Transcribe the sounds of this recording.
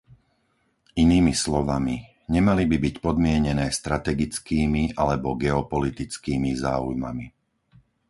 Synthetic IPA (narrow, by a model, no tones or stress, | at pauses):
iniːmislɔʋami | ɲɛmalibibicpɔd̪mɪɛɲɛnɛːst̪ɾat̪ɛɡit͡skiːmiʔalɛbɔɡɛɔpɔlit̪it͡skiːmizaːujma̰mi